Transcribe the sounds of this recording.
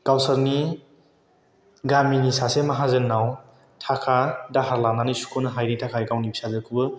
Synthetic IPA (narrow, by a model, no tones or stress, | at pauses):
kawsɐɾni | ɡaminisasemaɦazɯnːaw | tʰakʰadaɦaɾlananɯjsu̥kʰonɐɦajɾitʰakʰaiɡawnibi̥sazɯkʰubɯ